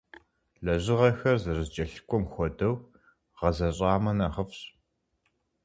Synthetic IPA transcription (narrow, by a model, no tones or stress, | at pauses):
ɮɐʑɪʁɐxɐrzɨrɨzt͡ʃʼɐɬkʷʼɔmxʷɔdɐw | ʁ̥ɐzɐɕʼɑːmɐnɐʁəfɕ